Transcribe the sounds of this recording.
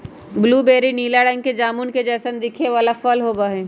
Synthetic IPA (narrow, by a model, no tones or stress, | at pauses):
bluːbeːɾiniːlaɽə̃ŋɡ̚ked͡ʒaːmunked͡ʒɛːsənd̪ɪkʰeʋaːlafəlɦoːbaɦẽː